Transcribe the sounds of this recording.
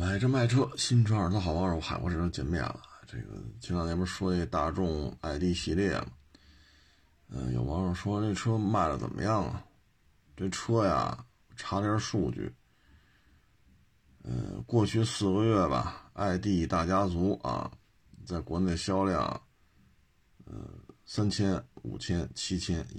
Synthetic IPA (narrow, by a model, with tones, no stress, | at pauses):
ma˧˥ɪʈ͡ʂə˥˧ma˥˩ɪʈ͡ʂʰɤ˥ɕi˥nʈ͡ʂʰə˞˨˩t̪ʰa˥˩xʊɑ˧˥ɻwɔ˥xa˨˩ɪwɔ̰˧˥ʂɻ̩˧˩˥t͡ɕjɛ˧˥nmjɛ̰˨˩nlə˨ʈ͡ʂḛ˥˩ɡə̰˩t͡ɕʰi˥ɑ˥˩ŋnɛ˧˥˩ə˧˥˩ʂwɔ˥i˥˧˩ə˥t̪a̰˥˧ʈ͡ʂʊ˥˧ŋa˥˧ɪt̪i˥˩ɕi˥˧ljɛ̰˥˩mə˩ | ə˧jo̰˨˩ʊwɑ˧˥ŋɻə˧˩ʂwɔ˥ne˥˩ɪʈ͡ʂʰɤ˥ma˥˩ɪlə̰˨t͡sə̰˨˩mʔə̰˦jɑ˥˩ŋ̰˨˩ | t̪we˥˩ɪʈ͡ʂʰɤ˥ja̰˨˩ | ʈ͡ʂʰa˧˥ljʂu˥˧t͡ɕy̰˥˩ | ə̰˧˩kwɔ˥˧t͡ɕʰy˥˩sɹ̩˥˩ɡə˧ɥɛ˥˩bɐ̰˩a˥˧ɪt̪i˥˩t̪a˥˩t͡ɕja˥t͡su˧˥ʔɐ̰˧˩ | t͡sa˥˩ɪkwɔ˧˥ne˧˩d̪ə˧ɕjɑ˥ʊljɑ̰˥˩ŋ | ə̰˧˩sa˥nt͡ɕʰjɛ˥nṵ˨˩t͡ɕʰjɛ˥nt͡ɕʰi˥t͡ɕʰjɛ˥n